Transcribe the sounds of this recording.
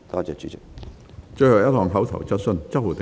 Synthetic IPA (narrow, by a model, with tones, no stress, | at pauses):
t̪ɔː˥t͡sɛː˨˧t͡ʃy˨˥t͡sɪ˨˩k | t͡ʃɵ˥˧hɐ˨˩wjɐ˥t̚ɦɔː˨ŋɦɐ˨˥wt̪ʰɐ̰˨˩wt͡sɐ˥t̚sɵ˧nt͡sɐ˥t̚wuː˨˩t̪e˨